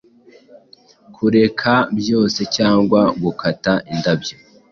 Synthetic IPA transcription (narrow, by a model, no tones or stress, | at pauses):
kʰuɾe̞kʰabjo̞ːse̞caːŋɡwaɡukʰataʔindabjo